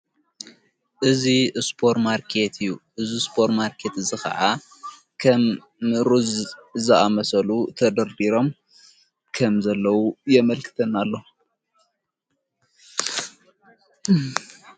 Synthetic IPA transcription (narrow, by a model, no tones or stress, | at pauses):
ʔɨzispʰo̞ɾmaɾkʰe̞t̪ʰɨjːuʔɨzispʰo̞ɾmaɾkʰe̞t̪ɨzɨxɐ̰ʕa | kʰɐm | ɾuzzɨamɐsɐlut̪ʰɐd̪ɐɾbiɾo̞m | kʰɐmzɐlːɐwujɛmɐlkʰɨ̥t̪ʰɐnːalːo̞